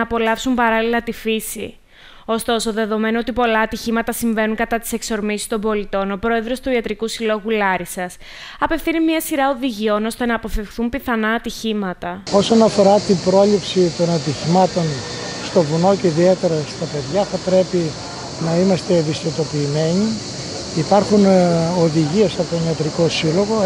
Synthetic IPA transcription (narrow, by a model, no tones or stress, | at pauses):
po̞lɐfsumpɐɾɐlilɐt̪ifisḭ | o̞st̪o̞so̞ðe̞ðo̞me̞noo̞t̪ipo̞lɐːt̪içimɐt̪ɐsiɱve̞nuŋkɐt̪ɐt̪i̥se̞kso̞ɾmisi̥st̪o̞mbo̞lit̪o̞no̞pɾo̞e̞ðɾo̞st̪uiɐt̪ɾikusilo̞ɣulɐɾisɐs | ɐpe̞fθinimiɐsiɾɐo̞ðiʝio̞no̞st̪e̞nɐːpo̞fifxθumpiθɐnɐːt̪içimɐt̪ɐo̞so̞nɐfo̞ɾɐt̪imbɾo̞lipsit̪o̞nɐt̪içimɐt̪o̞nst̪o̞vuno̞ceiðie̞t̪e̞ɾɐst̪ɐpe̞ðʝɐθɐpɾe̞pi | nɐimɐst̪e̞ðist̪it̪opiːme̞ɲi | ipɐɾxunoðiʝiesɐpot̪oniɐt̪ɾiko̞silo̞ɣo̞